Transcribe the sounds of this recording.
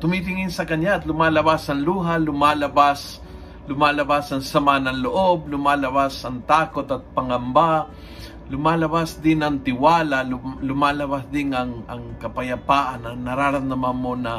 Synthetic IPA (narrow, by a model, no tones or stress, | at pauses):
t̪ʊmit̪̬ɪŋɪnsɐkɐɲjaːt̪lʊmaːlɐbasɐŋluːɦalʊmaːlɐbas | lʊmaːlɐbasɐŋsɐmanɐŋloʔob̚lʊmaːlɐbasɐŋt̪aːkot̪ɐt̪̚pɐŋɐmba | lʊmaːlɐbasd̪ɪnɐŋt̪ɪwaːlallʊmaːlɐbasd̪ɪŋɐŋɐ̰ŋkɐpɐjɐpaːʔanɐnɐɾaːɾɐnnɐmanmonɐ